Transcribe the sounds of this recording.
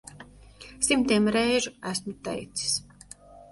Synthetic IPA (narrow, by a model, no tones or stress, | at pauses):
simt̪iɛmɾɛjʒuæsmut̪ɛ̰jt̪si̥s